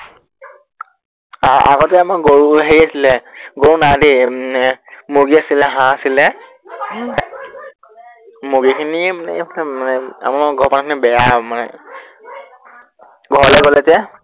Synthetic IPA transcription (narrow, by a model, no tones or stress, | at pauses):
aa̰ɡɔtɛamaɡoɹuɦeɹiasilɛɡoɹunademanɛmoɡiasilɛɦãasilɛ | moɡikʰinimanɛlmanɛa̰maɹɡʱɔpɔnakʰinibɛjamanɛ̰ | ɡʱɔɹlɛɡɔlɛtɛ